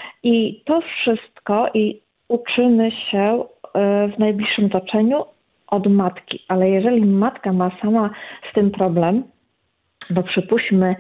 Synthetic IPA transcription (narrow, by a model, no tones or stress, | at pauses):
it̪ɔfʂɘst̪kɔʔi | ut͡ʂɘmɘɕɛ | vnajblʲiʂːɘmt̪ɔt͡ʂɛɲu | ʔɔd̪mat̪kʲḭʔalɛjɛʐɛlʲimat̪kamasamast̪ɘmpɾɔblɛm | d̪ɔpʂɘpuɕmɘ